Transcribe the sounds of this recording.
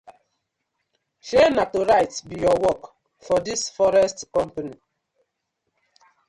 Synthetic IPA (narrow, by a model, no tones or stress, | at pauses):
ʃenatoɾajtsbijɔwɔk | fɔdisfɔɾɛstkɔ̃mpani